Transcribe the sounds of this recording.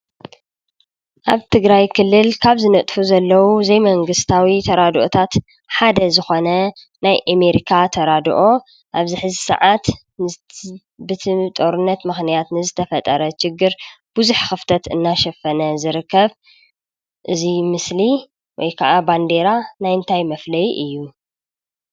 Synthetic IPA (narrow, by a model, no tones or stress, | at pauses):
ʔaβt̪ʰɨɡɾajkʰɨlːɨlkʰaβzɨnɐt̪ʼfuzɐlːɐwuzejmɐŋɡɨst̪ʰawit̪ʰɐɾad̪ʔot̪ʰat̪ | ħad̪ɐzɨxo̞nɐ | najʔameɾikʰat̪ʰɐɾad̪̰ʔo̞ | ʔaβzɨħɨzisɐ̰ʕat̪ | bɨt̪ʰit̪ʼo̞ɾɨnːɐt̪mɨxnijat̪nɨzɨt̪ʰɐfɐt̪ʼɐɾɐʃɪɡːɨɾb̥uzuħxɨft̪ʰɐt̪ɨnːaʃɛfɐnɐzɨɾɨkʰːɐβ | ʔɨzimɨsli | wɔjkʰɐʔaband̪e̞ɾanajɨnt̪ʰajmɐflɐjʔɨjːu